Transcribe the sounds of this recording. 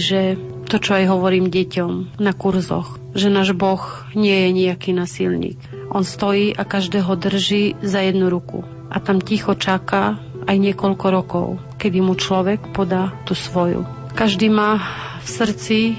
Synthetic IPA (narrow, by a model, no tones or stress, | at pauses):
ʒɛ | t̪ɔt͡ʃɔajɦɔʋɔɾiːmɟɛcɔmnakuɾzɔ̰x | ʒɛnaːʒbɔx | ɲɪɛjɛɲɛakiːnaːsḭlɲḭːk | ʔɔnst̪ɔjiːʔakaʒd̪ɛːɦɔd̪r̩ʒiːzajɛd̪nuɾukṵ | ʔat̪amcixɔt͡ʃaka | ajɲɪɛkɔʎkɔɾɔkɔ̰ʊ | kɛd̪imut͡ʃlɔʋɛkpɔd̪at̪usʋɔjṵ | kaʒd̪iːmaː | fsr̩t͡si